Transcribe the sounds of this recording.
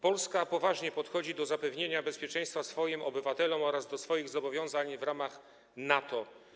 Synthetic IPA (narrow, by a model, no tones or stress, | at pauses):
pɔlskapɔvaʐɲɛpɔt̪xɔd͡ʑid̪ɔzapɛvɲeɲabɛspʲjɛt͡ʂɛ̃j̃st̪fasfɔjimɔbɘvat̪ɛlɔmɔɾazd̪ɔsfɔjiɣzɔbɔvʲjɔ̃w̃zaɲvɾamax | nat̪ɔ